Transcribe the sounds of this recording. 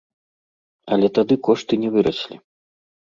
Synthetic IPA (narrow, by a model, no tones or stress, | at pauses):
ɐlʲɛt̪ad̪ɨkɔʂt̪ɨnʲɛvɨɾɐsʲlʲi